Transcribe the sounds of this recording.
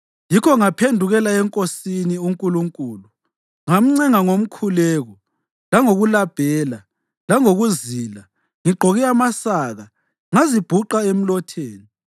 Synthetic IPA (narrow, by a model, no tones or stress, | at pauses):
jikʰɔŋapʰendʱuɣɛlaɛŋkʼosiniuŋkʼuluŋkʼuːlu | ŋam̩ŋ͡ǀɛŋaŋom̩kʰulɛːɣɔ | laŋoɣulab̥ʱɛːla | laŋoɣuzila | ŋiɡ͡ǃʱoɣiamasaɣa | ŋazib̥ʱuǃaem̩lɔtʰeːni